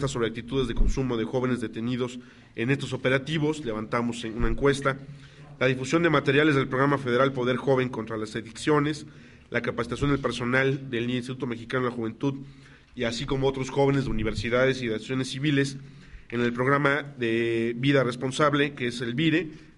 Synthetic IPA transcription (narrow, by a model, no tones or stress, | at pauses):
t̪aso̞βɾeak̚t̪it̪uðe̞zðe̞ko̞nsumo̞ðexo̞β̞e̞ne̞zðe̞t̪e̞niðo̞s | e̞ne̞st̪os̬ope̞ɾat̪iβo̞sle̞βant̪amo̞senunaeŋkwe̞st̪a | laðifusjo̞nd̪e̞mat̪e̞ɾjalezðelpɾo̞ɣɾamafeð̞e̞ɾalpo̞ð̞e̞ɾxo̞β̞e̞ŋkont̪ɾalaseðiksjo̞ne̞s | lʔakapasit̪as̬jo̞nd̪elpe̞ɾso̞nald̪e̞lieinst̪it̪ut̪o̞me̞xikano̞laxuβe̞nt̪uð | iasiko̞moo̞t̪ɾo̞sxo̞βe̞nezðe̞uniβ̞e̞ɾsiðaðe̞siðasjo̞ne̞sːiβile̞s | ene̞lpɾo̞ɣɾamaðe̞βiðarespo̞nsaβle̞keese̞lβiɾe̞